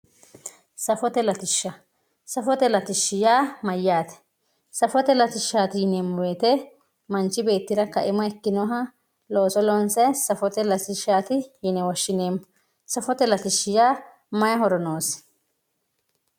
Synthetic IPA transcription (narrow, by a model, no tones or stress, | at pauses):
sɐfɔt̪ɛlɐt̪ɪʃːɐ | sɐfɔt̪ɛlɐt̪ɪʃːɪjaːmɐjːaːt̪ɛ̥ | sɐfɔt̪ɛlɐt̪ɪʃːaːt̪ɪjɪneːmːɔweːt̪ɛ | mɐnt͡ʃɪbe̞ːt̪ːɪɾɐkɐ̰ʔɪmɔɛkːɪnɔːɦɐ | lo̞ːsɔlɔːnsɛsɐfɔt̪ɛlɐt̪ɪʃːaːt̪ɪjɪnɛwɐʃːɪneːmːʊ | sɐfɔt̪ɛlɐt̪ɪʃːɪjaː | mɐjɐhɔɾɔnoːs